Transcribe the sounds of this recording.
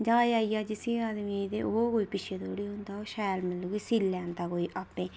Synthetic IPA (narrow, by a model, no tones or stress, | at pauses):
d͡ʒaːjaːijaːd͡ʒɪsĩaːd̪miːd̪ḛːoːkoːipɪt͡ʃʰed̪oːɽiːɦʊ̃nd̪aːoːʃaːlmɪlːuːɡesilːɛːnt̪aːkoːiʔapːẽː